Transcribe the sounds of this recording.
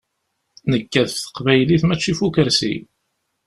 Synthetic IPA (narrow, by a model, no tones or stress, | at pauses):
nəkːæθθə̥qvæjliθmæt͡ʃːifukəɾsḭ